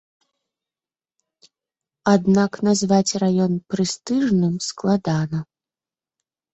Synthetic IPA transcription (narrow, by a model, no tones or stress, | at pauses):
ad̪naknazvat͡sʲrajɔnpɾɨst̪ɨʐnɨmsklˠad̪anɐ